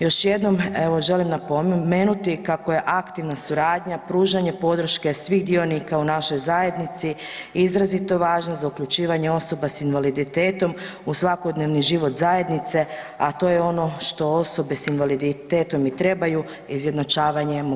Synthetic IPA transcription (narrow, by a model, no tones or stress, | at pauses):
jo̞ʃje̞d̪no̞me̞ʋo̞ʒe̞limnapome̞ːnut̪ikakoje̞ʔakt̪iʋnasuɾaːd̪ɲapɾuːʒaɲe̞po̞d̪ɾ̩ʃke̞sʋiːɣd̪io̞nikaunaʃo̞jzaje̞d̪nit̪si | izɾazit̪o̞ʋaːʒnozaukʎut͡ʃiːʋaɲeo̞so̞basinʋalid̪it̪e̞ːt̪o̞musʋako̞d̪neʋniʒiʋo̞t̪zaje̞d̪nit̪se̞at̪o̞jeo̞no̞ʃt̪o̞o̞so̞be̞sinʋalid̪it̪e̞ːt̪o̞mit̪ɾe̞baju | izje̞d̪nat͡ʃaːʋaɲem